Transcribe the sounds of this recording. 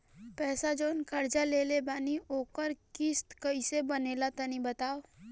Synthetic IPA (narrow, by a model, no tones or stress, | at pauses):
pɛːsad͡ʒoːnkɐɾd͡ʒaleːlebaːnioːkəɾkɪst̪kəisebəneːlat̪ənibət̪aːo